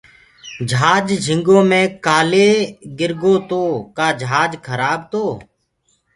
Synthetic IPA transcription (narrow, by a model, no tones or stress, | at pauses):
d͡ʒʱaːd͡ʒd͡ʒʱɪŋɡõːmẽːkaːleːɡɪɾɡoːt̪oːkaːd͡ʒʱaːd͡ʒkʰəɾaːb̚t̪oː